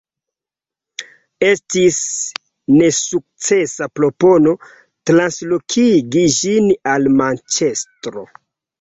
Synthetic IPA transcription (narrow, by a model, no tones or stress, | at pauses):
e̞stis | ne̞suk̚t͡se̞sapɾo̞po̞no̞ | tɾanslokʰiɡiʒinalmant͡ʃe̞stɾo̞̰